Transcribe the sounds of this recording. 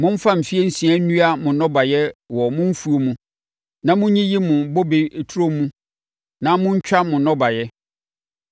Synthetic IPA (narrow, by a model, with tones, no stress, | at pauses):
mʊ̃˦m̩˦fã˦m̩˨fi˦e˦n̩˦sĩ˨˦ã˦nũ˦a˦mʊ̃˨nɔ̃˦ba˨jɛ˦wɔ˨mʊ̃˦m̩˦fu˨˦o˦mũ˦ | nã˦mʊ̃˦ɲĩ˦ji˦mʊ̃˨bo˦be˨e˨tʰu˦ɾo˦mũ˦ | nã˦mʊ̃˦ɲ̩˦t͡ɕᶣa˦mʊ̃˨nɔ̃˦ba˨jɛ˦